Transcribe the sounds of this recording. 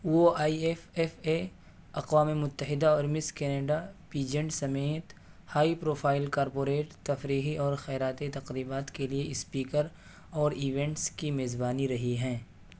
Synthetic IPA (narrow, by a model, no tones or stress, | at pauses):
uoaːiefeːfe | ɐqwaːmemʊt̪ːəɦɪd̪aɔːɾmɪskɛːneːɖapiːd͡ʒə̃ɳʈsɐmeːt̪ | haːipɾoːpʰaːɪlkaːɾpoːɾeːʈt̪ɐfɾiːɦiʔɔːɾxɛːɾaːt̪et̪ɐqɾiːbaːt̪kelieɪspiːkəɾ | ɔːɾiʋɛ̃ɳʈskimeːzbaːniɾɐɦiɦɛ̃ː